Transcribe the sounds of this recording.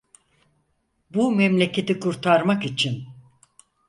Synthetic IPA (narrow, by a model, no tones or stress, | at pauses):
bumɛmlʲe̞cʰe̞t̪ikʰuɾt̪ʰaɾmakit͡ʃʰin